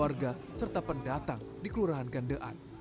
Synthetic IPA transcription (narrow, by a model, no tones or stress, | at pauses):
arɡasərt̪apəndat̪aŋdikəluɾaɦanɡandəʔa̰n